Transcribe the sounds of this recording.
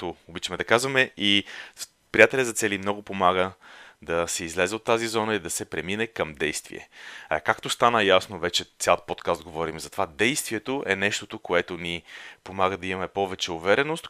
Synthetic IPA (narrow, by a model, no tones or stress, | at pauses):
t̪oobit͡ʃɐmɛd̪ɐkazvɐmɛi | pɾijat̪ɛlʲəzɐt̪sɛlimnɔɡʊpomaɡəd̪ɐsɛizlɛzɛot̪ːazizɔnəid̪ɐsɛpɾɛminɛkəmd̪ɛjst̪vḭɛ̰ɐkakt̪ost̪anəjasnovɛt͡ʃɛt̪sʲal̚ˠpɔt̪kast̪̚ɡovɔɾimzɐt̪ovad̪ɛjst̪viɛt̪oʔɛ̰nɛʃt̪ot̪okoɛt̪ʊnipomaɡəd̪ɐimɐmɛpɔvɛt͡ʃɛʊvɛɾɛnost̪